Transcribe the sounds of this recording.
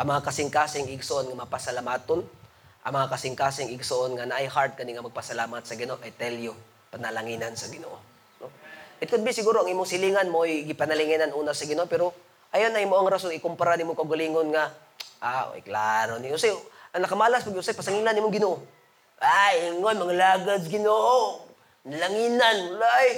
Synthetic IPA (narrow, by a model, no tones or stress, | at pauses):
ʔɐŋmɐŋakɐsɪŋkaːsɪŋɪɡsoʔonŋamɐpasɐlamaːt̪on | ʔɐ̰ŋmɐŋakasɪŋkaːsɪŋɪɡsoʔonŋanaʔajhaɾd̪̚kɐniŋɐmɐɡ̚pasɐlaːmat̪̚sɐɡɪnoʔoʔajt̪ɛljo | pɐnɐlaŋiːnansɐɡɪno̰ʔo | noʔɪt̪̚kʊd̪̚bɪsɪɡuːɾoʔɐŋʔiːmoŋsɪliːŋanmojɡɪpɐnɐlɪŋɪnanʔuːnasɐɡɪnoʔopɛɾo | ʔajonɐŋimoʔaŋɾasoŋɪkʊmpaɾaniːmoŋkɐʔʊɡaliːŋonŋa | ʔa̰a̰jkla̰ɾoniʔʊsajʔɐŋnɐkɐmaːlaspaɡɪʊsajpɐsaŋiːlaniːmoŋɡɪnoʔo | ʔajɪŋonmɐŋalaːɡad̪̚ɡɪnoʔo | nalaŋiːnanwlaʔaj